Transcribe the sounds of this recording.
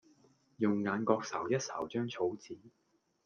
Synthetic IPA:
jʊ˨ŋːaː˨˧nkɔː˧k̚sɐ̰˨˩wjɐ˥t̚sɐ̰˨˩wt͡ʃœː˥ŋt͡sʰo˨˥wt͡siː˨˥

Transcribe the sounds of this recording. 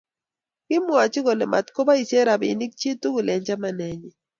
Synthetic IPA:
kɪ˦mwa˨t͡ʃi˦ɣo˨lɛ˨ma̰˨tko˦ba˦i˨sje˦ɾa˨bɪ̰˨ni˦k̚t͡ʃi˦tu˦ɣʊ˨lɛ˨ɲd͡ʒa˦ma˨nɛ˨ɲɛ˨

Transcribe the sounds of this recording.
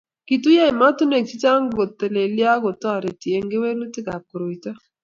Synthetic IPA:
ki˨tu˦ja˦ɪ˨ma˦tu˦ne˨k̚t͡ʃi˦t͡ʃa˦ŋɡo˨tːe˨le˨lja˦ɡo˨tɔ˦˨ɾe˨ti˨e˨ŋɡe˦we˦lu˦tɪ˦ɡa˨ko˨ɾo˨i˨ta˦

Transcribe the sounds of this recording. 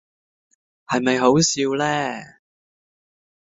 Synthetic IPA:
hɐ˨jmɐ˨jɦo˨˥wsiː˧wlɛː˥

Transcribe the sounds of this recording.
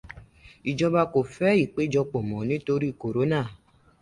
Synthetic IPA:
i˨d͡ʒɔ˧ba˧ko˨fɛ˦i˦˨k͡pe˦d͡ʒɔ˧k͡pɔ˨mɔ̃˨nĩ˨˦to˧ɾi˦˨ko˨ɾo˨˦nã˦˨

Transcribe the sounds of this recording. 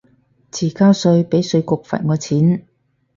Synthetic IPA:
t͡sʰiː˨˩kaː˥wsɵ˧ɥpe˨˥jsɵ˧ɥkʊ˨k̚fɐ̰˨˩ŋɔː˨˧t͡sʰiː˨˥n

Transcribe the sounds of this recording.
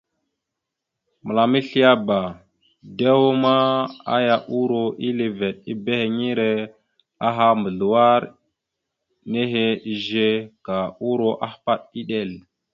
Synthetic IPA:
mə˨la˨mi˦ɬi˦ja˦ba˨ | de˦wo˦ma˦a̰˦ja˨ʔu˦ɾo˨i˦le˨ve˨ɗ̚i˦be˦he˨ŋi˦ɾe˦ | a˦ɦa˦mə˨ɮu˨wa˦ɾ | ne˦ɦe˦i˨ʒe˦ka˨u˦ɾo˦˨ʔa˦hpa˦ɗi˦ɗe˦˨l

